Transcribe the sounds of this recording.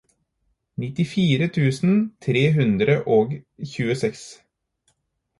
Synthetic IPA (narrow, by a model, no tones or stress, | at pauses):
nɪt̪ɪfiːɾət̪ʰʉːsnt̪ʰɾeːɦʉnd̪ɾəʔoːɡçʉːəsɛks